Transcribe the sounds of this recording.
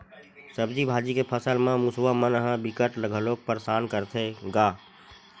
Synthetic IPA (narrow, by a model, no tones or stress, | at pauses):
səbdibʱaːd͡ʒikepʰəsəlmãmusʋamənəɦə̃bɪkəʈləɡʱəloːk̚pəɾsaːnkəɾt̪ʰeɡaː